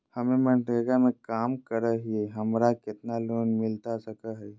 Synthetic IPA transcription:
hɐmẽmə̃ɳʈeɡamẽkaːmkəɾəɦieɦɐmɾakɪt̪naloːnmɪlt̪asɐkaɦɛ

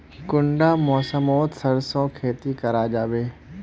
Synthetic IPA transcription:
kʊɳɖaːmɔːsəmoːt̪sɐɾsõːkʰeːt̪ikɐɾaːd͡ʒaːʋeː

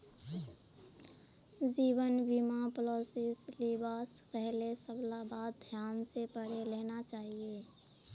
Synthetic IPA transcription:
d͡ʒiːbənbimapəloːsɪslibaːskɛɦlesəblabaːd̪̚d̪ʱjaːnsepəɽ̤eleːnat͡ʃaːɦieː

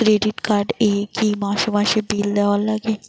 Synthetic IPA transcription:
kɾeɖiʈkaɾɖekimaʃomaʃebild̪ɛwalaɡe

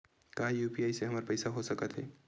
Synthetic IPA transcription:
kaijupiajseɦəməɾpəjsaɦosəkət̪ɦe

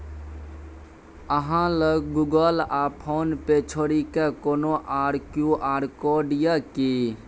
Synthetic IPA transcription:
əɦãləɡɡuɡəlapʰonpet͡ʃʰoɾikekonoʔaɾkjuʔaɾkoɖijəki

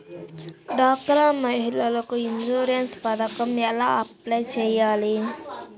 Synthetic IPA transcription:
ɖaːk̚ʈɐɾaːmɐɦilɐlɐkuind͡ʒuːɾijɐnspɐd̪ɐkɐmɐla̰ɐplejt͡ʃejaːli

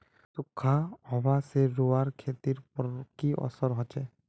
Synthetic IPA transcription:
sukʰːaɦɔbaseɾuaɾkʰet̪iɾpɔɾkiʔɔ̰sɔɾɦɔt͡ʃɛ

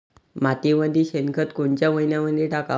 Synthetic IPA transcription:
mat̪iməd̪ʱiɕenkʰət̪koɳt͡ɕjaməinjaməd̪ʱːjeʈaka

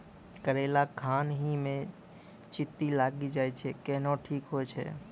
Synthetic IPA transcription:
kəɾeːlakʰaːnɦimẽ | t͡ʃɪt̪ːilaːɡid͡ʒaːjt͡ʃʰekɛɦnoʈʰiːkɦojt͡ʃʰḛ

